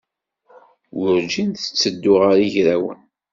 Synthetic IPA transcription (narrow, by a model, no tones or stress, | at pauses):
wʊɾd͡ʒinθə̥t͡sːəd̪ːʊʁaɾiʝɾæwə̰n